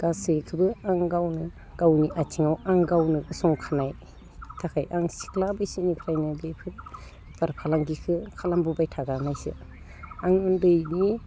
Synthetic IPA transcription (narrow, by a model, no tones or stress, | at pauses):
ɡ̥asɯjkʰɯbɯaŋɡawnɯ | ɡ̥awniʔat͡ʃʰiŋawaŋɡawnɯɡɯsɔŋkʰanaj | tʰakʰajʔaŋsi̥kʰlabɯjsinikʰɾajnɯbepʰɯɾ | b̥aɾpʰalaŋɡikʰɯkʰalambubajtʰaɡanajsɯ̰ | aŋɯndɯjni